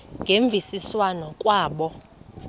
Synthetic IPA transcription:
ŋɡʱeɱb̪vʱisiswanɔkʼwaːɓɔ

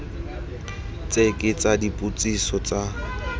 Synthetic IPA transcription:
t͡sʼekʼɪt͡sʼadipʼut͡sʼisɔt͡sʼa

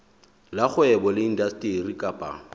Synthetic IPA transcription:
laχʊɛbɔlɪin̩dastʼirikʼapʼa̰

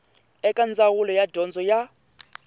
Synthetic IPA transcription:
ɛkʼand͡zawulɔjadɔnd͡zɔja

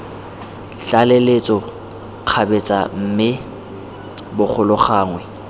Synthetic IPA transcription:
t͡ɬʼalelet͡sʼɔ | q͡χʰabet͡sʼa̰m̩mɪ | bʊk͡xʰʊlʊχaːŋwɛ

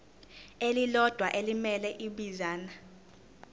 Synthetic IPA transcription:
elilɔd̥ʱwaʔelimɛlɛʔiɓizaːna

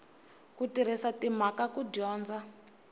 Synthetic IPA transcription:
kutiɾ̤isatimakakudɔːnd͡za

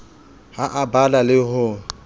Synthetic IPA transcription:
haʔabalalɪɦʊ

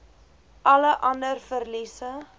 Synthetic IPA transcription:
ʔɐləʔɐndərfərlisə

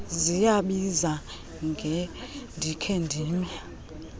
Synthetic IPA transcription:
zijaɓiza | ŋɡʱɛndʱikʰendʱiːmɛ

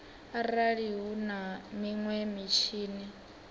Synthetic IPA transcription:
aɾaɺiɦunamiŋwɛmit͡ʃʰiːni

